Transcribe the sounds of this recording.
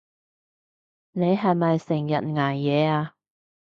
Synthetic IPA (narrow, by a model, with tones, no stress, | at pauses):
ne˨˧jɦɐ˨jmɐ˨jsɪ˨˩ŋjɐ˨t̚ŋaː˨˩jjɛː˨˧aː˧